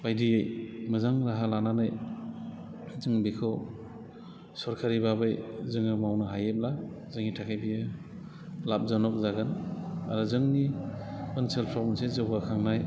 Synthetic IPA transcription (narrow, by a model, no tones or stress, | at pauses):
bajdijejmɯzaŋɾaɦalananɯj | zɯŋbikʰɯw | sɔɾkʰaɾibabɯjzɯŋɯmawnɯɦajep̚la | zɯŋitʰakʰajbijɯ | lap̚zanɔk̚zaɡɯna̰ɾuzɯŋni | ɯnselpʰɾɔbnsezɯwɡakʰaŋnaj